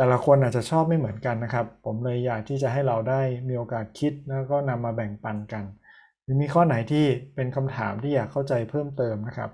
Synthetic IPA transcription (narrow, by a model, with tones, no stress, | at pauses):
t̪ɛː˨˩la˧˥kʰo˧nʔa˨˩t̪̚t͡ɕa˨˩t͡ɕʰɔː˥˩p̚ma˥˩jmɯ˩˦ənka˧nːa˦˥kʰɾa˦˥pʰːo˩˦mlɤ˧jːaː˨˩k̚t̪ʰiː˥˩t͡ɕa˨˩ɦa˥˩jɾa˧wdaː˥˩jmiː˧ʔoː˧kaː˨˩t̪̚kʰi˦˥t̪̚lɛ˦˥wkɔː˥˩na˧mːaː˧bɛ˨˩ŋpa˧nka˧n | lɯː˨˦miː˧kʰɔː˥˩na˩˦jt̪ʰiː˥˩pe˧nkʰa˧mt̪ʰa̰ː˩˦mt̪ʰiː˥˩jaː˨˩kʰːa˥˩wt͡ɕa˧jpʰɤː˥˩mt̪ɤː˧mna˦˥kʰa̰˦˥p̚